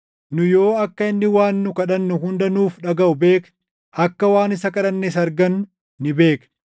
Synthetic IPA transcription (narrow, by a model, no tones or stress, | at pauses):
nʊjo̞ːɐkːɐɪnːɪwaːnːʊkɐᶑɐnːʊɦʊnd̪ɐnuːfᶑɐɡɐʊbe̞ːk | ɐkːɐwaːnɪsɐkɐᶑɐnːeːs̬ɐɾɡɐnʊː | ɪbe̞ːk